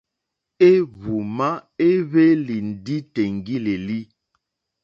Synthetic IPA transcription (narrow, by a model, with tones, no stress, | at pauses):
e˦βu˨ma˦e˦βe˦li˨n˨di˦te˨ŋ˨ɡi˦le˨li˦